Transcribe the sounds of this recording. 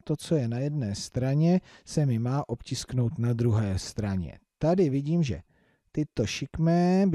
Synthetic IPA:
t̪o̞t͡so̞jɛnajɛdnɛːst̪ɾaɲɛsɛmɪmaːʔo̞pcɪskno̞wt̪nad̪ɾuɦɛːst̪ɾaɲɛ̰t̪adɪvɪɟiːmʒɛ̰ | t̪ɪt̪o̞ʃɪkmɛːb

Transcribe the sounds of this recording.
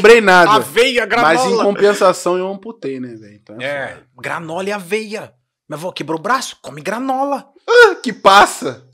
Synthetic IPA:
bɾejnadaɐvejɐɡɾãmazzẽkõpẽsasɐ̃w̃ewnɐ̃w̃put̪ejnɛvɛẽnt̪ɐ̃w̃ɛɛ | ɡɾanɔlɪavejɐ | mevɔkebɾobɾasʊ̥kõmɪɡɾanɔlɐ | akɪpasɐ

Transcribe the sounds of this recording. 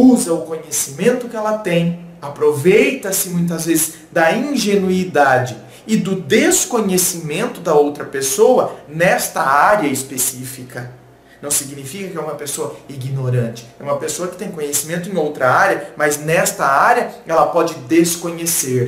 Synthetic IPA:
uzɐʊkõɲesimẽnt̪ʊkɪɛlɐt̪ẽj̃apɾovejt̪ɐsɪmũj̃t̪̬ɐzvezɪz | d̪ɐĩʒenuid̪ad͡ʒɪ | ɪd̪ʊd̪eskõɲesimẽnt̪ʊd̪ɐowt̪ɾɐpesowɐnɛst̪ɐaɾjɐɪspesifikɐ | nɐ̃w̃siɡnifikɐkɪɛũmɐpesoɐiɡinoɾɐ̃nt͡ʃɪ̥ɛũmɐpesoɐkɪt̪ẽj̃kõɲesimẽnt̪ʊẽj̃owt̪ɾɐaɾjɐmɐznɛst̪ɐaɾjɐɛlɐpɔd͡ʒɪd̪eskõɲeseɾ

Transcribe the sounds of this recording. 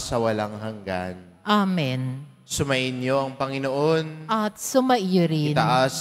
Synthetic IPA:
sɐwɐlaŋɦɐŋɡa̰n | ʔamɪn | sʊmɐʔɪnɲoʔɐŋpɐŋɪnoʔo̞nʔɐt̪̚sʊmɐʔiɾɪnɐʔas

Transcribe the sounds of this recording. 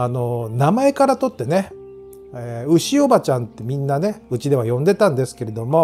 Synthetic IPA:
ano̞namae̞kaɾat̪o̞t̪ːe̞ne̞ | eɯ̟ɕio̞bat͡ɕãnt̪ːe̞mʲĩnːane̞ɯ̟t͡ɕid̪e̞β̞ajõ̞nd̪e̞t̪ãnd̪e̞sɨ̥ke̞ɾe̞d̪o̞mo̞

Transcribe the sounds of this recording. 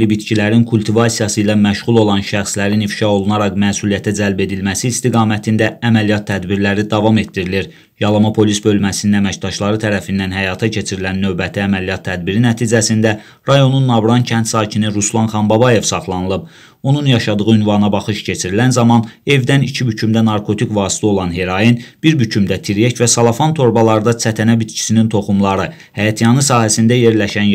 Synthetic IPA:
libit̪cʰilæɾinkʰulʲˠt̪ʰivɑsijɑsɯjlɑmæʃʁulˠo̞lˠɑnʃæxslæɾinifʃɑo̞lˠunɑɾɑkmæːsulˠijæt̪ʰæd͡ʒælbe̞d̪ilmæsiːst̪iɡɑːmæt̪ʰind̪ææmælijɑt̪ʰːæd̪biɾlæɾid̪ɑvɑme̞t̪̚d̪iɾiliɾ | jɑlˠɑmɑpʰo̞lisbø̞lmæsininæmæcd̪ɑʃlˠɑɾɯt̪ʰæɾæfind̪ænɦæjɑːt̪ʰɑcʰe̞t͡ʃʰiɾilænːø̞vbæt̪ʰiæmælijɑt̪ʰːæd̪biɾinæt̪ʰiːd͡ʒæsind̪æ | ɾɑjo̞nunːɑvɾɑncʰænt̪sɑːcʰiniɾuslˠɑnχɑnbɑbɑje̞vsɑχlˠɑnɯlˠɯb̚ | o̞nunjɑʃɑd̪ɯʁɯynvɑnɑbɑχɯʃcʰe̞t͡ʃʰiɾilænzɑmɑne̞vd̪ænicʰibycʰymd̪ænɑɾkʰo̞t̪ʰikvɑːsi̥t̪ʰio̞lˠɑnɦe̞ɾɑjinb̥iɾbycʰymd̪æt̪ʰiɾjecvæsɑlˠɑfɑnt̪ʰo̞ɾbɑlˠɑɾɯd̪ɑt͡sʰæt̪ʰænæbit̪cʰi̥sinint̪ʰo̞χumlˠɑɾɯ | hæjɑt̪ʰijɑnɯsɑːɦæsind̪æje̞ɾlæʃæn

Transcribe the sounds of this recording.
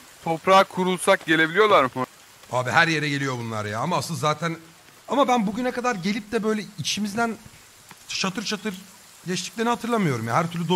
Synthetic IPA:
t̪ʰo̞pɾaːkʰuɾulˠsak̚ɟe̞lʲe̞bilijo̞lˠaɾm | aːbihæɾje̞ɾɛɟe̞lʲijo̞bunˠa̰ɾja̰ːamaːsɯnd̪zaːt̪ʰæn | amabænbuɟynɛkad̪aɾɟe̞lʲip̚d̪ɛbø̞jlʲɛit͡ʃʰimizd̪æn | ʃat̪ʰɯɾt͡ʃʰat̪ʰɯɾ | lʲɛʃt̪ʰic̚lʲe̞ɾnihat̪ʰɯɾlˠamɯjo̞ɾumjaɦæɾt̪ʰyɾlʲyd̪o

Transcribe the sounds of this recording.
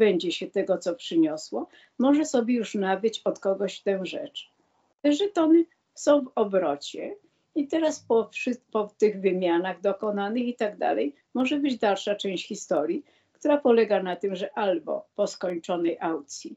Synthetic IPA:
bɛɲd͡ʑɛɕɛt̪ɛɡɔt̪sɔpʂɘɲɔswɔ | mɔʐɛsɔbʲjɛjuʂnavɘt͡ɕɔt̪kɔɡɔɕft̪ɛ̃w̃ʐɛ̰t͡ʂ | t̪ɛʐɛt̪ɔnɘ | sɔ̃w̃vɔbɾɔt͡ɕɛ | it̪ɛɾaspɔʂpɔft̪ɘɣvɘmʲjanaɣd̪ɔkɔnanɘxit̪aɡd̪a̰lɛj | mɔʐɛbɘd͡ʑd̪alʂat͡ʂɛ̃w̃ɕt͡ɕxʲist̪ɔɾʲji | kt̪uɾapɔlɛɡanat̪ɘmʐɛʔalbɔ̰pɔskɔɲt͡ʂɔnɛjʔawkt̪sʲji

